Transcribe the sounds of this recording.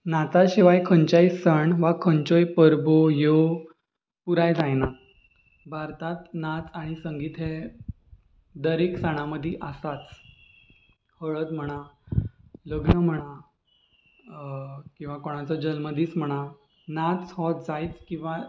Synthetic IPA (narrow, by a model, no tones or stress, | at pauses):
nat͡saɕeʋajkʰəɲt͡ɕajsəɳʋakʰəɲt͡ɕojpəɾbojo | puɾajd͡zajna | bʱaɾt̪at̪nat͡saɽ̃isəŋɡiːt̪ɦe | d̪əɾiksəɽ̃aməd̪ʱiʔəsat͡s | həɭət̪m̤əɽ̃a | ləɡnəm̤əɽ̃a | kĩw̃ʋakoɽ̃at͡səd͡ʑəlməd̪iːt͡sm̤əɽ̃a | nat͡shɔ̃t̪̚d͡zait͡skĩw̃ʋa